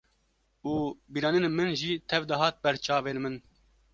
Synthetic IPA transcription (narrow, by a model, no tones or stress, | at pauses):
uːbiːɾɑːninemɨnʒiːt̪ʰɛvd̪ɐɦɑːt̪̚bɛɾt͡ʃɑːveːɾmɨn